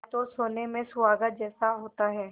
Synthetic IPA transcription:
t̪osoːnemẽsʊʋaːɡət̪̚d͡ʒɛːsaɦoːt̪aɦɛː

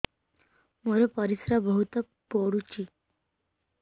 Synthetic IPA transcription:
məɾəpəɾisɾabəɦut̪ə | poɽut͡ɕi

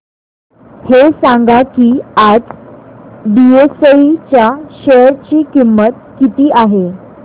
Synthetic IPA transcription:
hesãŋɡakiːad͡z | ɖiesəit͡ɕjaɕeɾt͡ɕiːkimːət̪̚kit̪iːʔaɦe

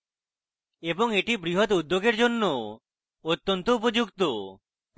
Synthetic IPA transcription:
ebɔŋeʈibɾiɦɔt̪ud̪ːjoɡeɾd͡ʒonːo | ot̪ːɔnt̪oup̬od͡ʒukt̪o

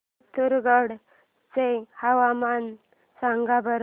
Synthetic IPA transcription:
t̪ʰuɾɡəɽ | t͡sehaʋaman | saŋɡabəɾ

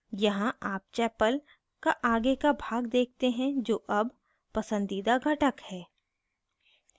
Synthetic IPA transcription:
jɐɦãaːp̚t͡ʃɛːpəl | kaʔaːɡekabʱaːɡd̪eːk̚t̪eɦɛ̃d͡ʒoːʔɐb | pɐsə̃nd̪iːd̪aɡʱɐʈəkhɛː

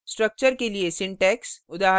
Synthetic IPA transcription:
sʈɾɐk̚t͡ʃəɾkeliesɪ̃ɳʈɛːksʊd̪aːɦ

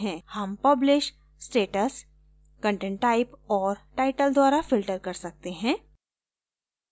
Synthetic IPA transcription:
ɦɛ̃hɐmpɐblɪʃ | sʈeːʈəs | kə̃ɳʈẽːɳʈːaːɪpɔːɾʈaːɪʈəld̪waːɾafɪlʈəɾkɐɾsɐk̚t̪eɦɛ̃ː

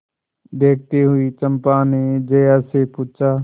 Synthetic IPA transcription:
d̪eːk̚ʰt̪iɦʊit͡ʃə̃mpaned͡ʒɐjasepuːt͡ʃaː

